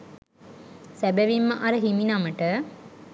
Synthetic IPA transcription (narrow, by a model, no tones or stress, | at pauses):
sæbæʋimːəʔaɾəɦiminaməʈə